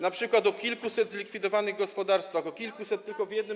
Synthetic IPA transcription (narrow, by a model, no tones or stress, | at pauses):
napʂɘkwat̪ɔkʲilkusɛd̪zlʲikfʲid̪ɔvanɘɣɡɔspɔd̪aɾst̪faxɔkʲilkusɛt̪ːɘlkɔvʲjɛd̪nɘ